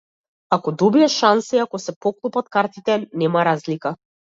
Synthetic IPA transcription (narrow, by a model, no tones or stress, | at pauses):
akɔd̪ɔbiaʃansɛiakɔsɛpɔklˠupat̪kaɾt̪it̪ɛnɛmaɾazlika